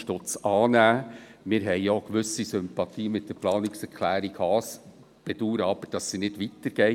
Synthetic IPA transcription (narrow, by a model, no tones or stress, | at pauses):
ʃtʊt͡sɑːnæːmɪɾɦɛɪokʋʏsisʏmpɑt̪ʰiːmɪt̚d̥əɾplɑːnɪksɛɾkʰlæːɾikhɑːs | b̥ɛd̥uːɾəɑb̥əɾd̥ɑsːinɪd̥ʋit̪əɾɡ̥ɛɪ